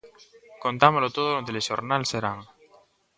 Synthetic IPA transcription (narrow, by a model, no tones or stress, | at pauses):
kont̪amolot̪oðolot̪elesoɾnalseɾaŋ